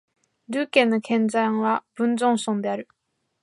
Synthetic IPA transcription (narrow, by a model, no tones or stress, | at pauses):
ɾɯːkẽ̞nːokʰẽ̞nd͡zãɰ̃βab̥ɯ̟̃nzõñsõnd̪e̞aɾɯ̟